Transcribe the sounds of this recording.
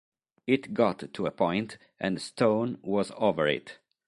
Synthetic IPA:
ɪtɡɑtʰːuəpʰɔ̃ɪ̃nt | ʔɨ̰̃nstʰõʊ̃nwʌzovə˞ɹɪ̰t

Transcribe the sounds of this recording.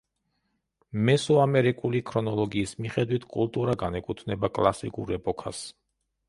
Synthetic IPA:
mɛsɔamɛɾikʼulikʰɾɔnɔlˠɔɡiːsmiχɛd̪wit̪ʰkʼṵlˠt̪ʼuɾaɡanɛkʼut̪ʰnɛbakʼlˠasḭkʼṵɾɛpʼɔkʰas

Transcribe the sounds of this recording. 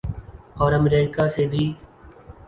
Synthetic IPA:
ɔːɾəmɾeːkaːseːbʱiː

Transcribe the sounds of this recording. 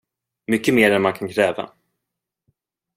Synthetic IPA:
mʏkːəmeːɾɛnmankʰankʰɾɛːva̰

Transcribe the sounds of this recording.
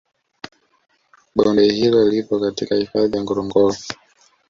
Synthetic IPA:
ɓɔmbɛhilɔlipɔkatikahifaðijaŋɡɔɾɔŋɡɔɾɔ

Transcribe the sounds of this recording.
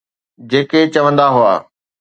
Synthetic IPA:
d͡ʑeːket͡ɕɐʋə̃nd̪aɦʊa̰ː

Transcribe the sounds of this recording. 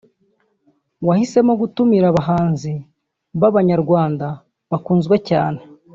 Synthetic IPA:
wahise̞mo̞ɡutumiɾaβaɦaːnzi | βaβaɲaɾɡwaːnda | βakuːnzɡwe̞caːne̞

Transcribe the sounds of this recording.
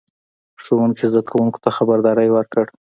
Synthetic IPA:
ʂowuŋkizd̪akʰawuŋko̥t̪axabaɾd̪ɑɾəjwəɾkəɽ

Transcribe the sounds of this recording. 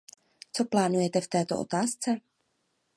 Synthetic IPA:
t͡so̞plaːnujɛt̪ɛft̪ɛːt̪oʔo̰t̪aːst͡sɛ

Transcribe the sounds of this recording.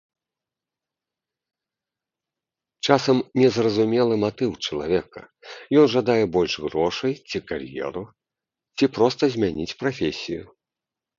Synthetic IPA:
t͡ʂasɐmnʲɛzrɐzumʲɛlˠɨmat̪ɨwt͡ʂɐlˠavʲɛkɐ̰jɔnʐad̪ajɛbɔlʲʂɣɾɔʂɐjt͡sʲikarjɛ̰ɾu | t͡sʲipɾɔst̪ɐzʲmʲanʲit͡sʲpɾafʲesʲiju

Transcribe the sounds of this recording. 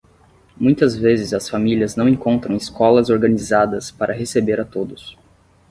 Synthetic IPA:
mũj̃t̪ɐzvezɪzɐsfamiliɐznɐ̃w̃ẽŋkõnt̪ɾɐ̃w̃iskɔlɐzoɾɡɐ̃nizad̪ɐspaɾʔɐɦesebeɾat̪od̪ʊs

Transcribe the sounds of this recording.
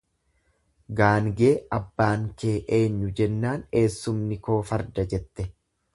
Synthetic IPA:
ɡaːŋɡe̞ːʔɐbːaːŋke̞ːʔe̞ːɲːʊd͡ʒɛnːaːne̞ːsːʊmnɪko̞ːfɐɾd̪ɐd͡ʒɛt̪ːɛ

